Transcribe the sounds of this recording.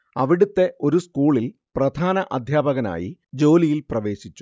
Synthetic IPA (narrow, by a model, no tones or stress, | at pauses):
ɐʋiɽut̪ːe̞ʔo̞ɾuskuːɭilprɐd̪ʱaːnɐʔɐd̪ʱjaːbɐɣɐna̰ːjḭd͡ʑo̞ːlijilprɐʋe̞ːɕit͡ɕːu̥